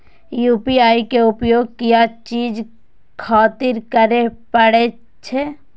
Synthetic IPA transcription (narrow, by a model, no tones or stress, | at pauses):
juːpiaːikeʊpjoːɡ̚kijat͡ʃiːd͡ʒ | kʰaːt̪ɪɾkəɾepəɽe | t͡ʃʰe